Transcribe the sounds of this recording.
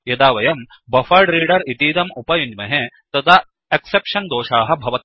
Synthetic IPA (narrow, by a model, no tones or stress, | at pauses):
jɐd̪aːʋɐjɐm | bɐfɐːɾɖɾiːɖɐɾit̪iːd̪ɐmupɐjuɲd͡ʒmɐɦe | t̪ɐd̪ɐ | eksepʂɐnd̪oːʃaːɦɐ̆bʱɐʋɐt̪